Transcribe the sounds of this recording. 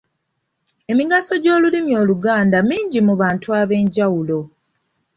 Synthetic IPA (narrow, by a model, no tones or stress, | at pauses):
e̞miɡaso̞ɟo̞ːlulimjo̞ːluɡaːndamiːɲɟimuβaːntuaβe̞ːɲɟawulo̞